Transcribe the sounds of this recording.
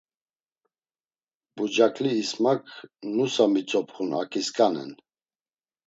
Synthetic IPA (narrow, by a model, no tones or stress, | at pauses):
bud͡ʒakʼliːsmakʰnusamit͡sʼɔpχuna̰kʼiskʼanɛ̰n